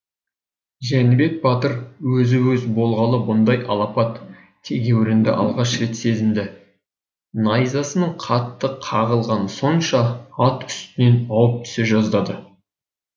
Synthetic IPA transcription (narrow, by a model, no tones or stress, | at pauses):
ʒænbe̞k̚bɑt̪əɾwɵzɪwɵzbo̞lˠʁɑlˠəbʊnd̪ɑjɑ̰lˠɑpɑt̪ʰː | e̞ɡʲe̞wɪɾɪnd̪ɪ̰ʔɑ̰lˠʁɑʃɾe̞t̪se̞zɪmd̪ɪ | nɑjzɑsənəɴqʰɑt̪ːəqʰɑʁəlˠʁɑnso̞nʃɑɑt̪ʏ̥st̪ɪne̞nɑwəp̚t̪ʰʏ̥seʒɑzd̪ɑd̪ə